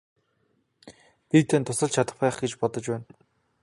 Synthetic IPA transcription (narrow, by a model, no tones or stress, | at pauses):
pit̪ʰeːnt̪ʰʊsə̆ɮt͡ɕʰat̪ə̆χpæːχɡet͡ɕpɔt̪ɞ̆t͡ɕpæːn